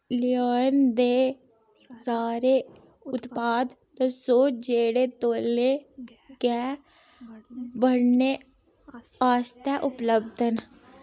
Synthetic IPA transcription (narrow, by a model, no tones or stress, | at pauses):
lɪoːjənd̪eː | saːɾeː | ʊt̪paːd̪ | t̪əsoːd͡ʒeːɽeːt̪oːlːeː | kɛː | bəɽɳneː | aːst̪ɛːʔʊpləbd̪ən